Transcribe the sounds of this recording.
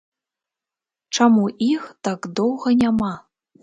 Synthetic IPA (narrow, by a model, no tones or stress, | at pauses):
ʈ͡ʂamuʔixt̪akd̪owɣɐnʲama